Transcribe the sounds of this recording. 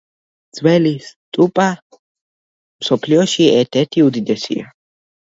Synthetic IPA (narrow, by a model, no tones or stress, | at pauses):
d̪z̥wɛlist̪ʼupʼa | msɔpʰliɔʃiɛɾt̪ʰɛɾt̪ʰiud̪id̪ɛsḭa̰